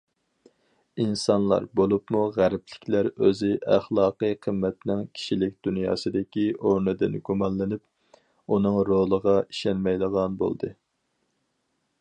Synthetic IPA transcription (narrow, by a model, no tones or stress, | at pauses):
insɑnlˠɑ̰ɾbolˠupmuʁæɾplɪkʲlæɾøzɪʔæχlˠɑːqɨqʰəmːɛt̪nɪŋkʲʰi̥ʃilɪkʲd̪unjɑ̰ːsɨd̪ɪkʲioɾnɨd̪ɪnɡumɑnlɨnɪp | unɨŋɾolˠəʁɑi̥ʃɛnmɛjlˠəʁɑnbo̰lˠd̪ɨ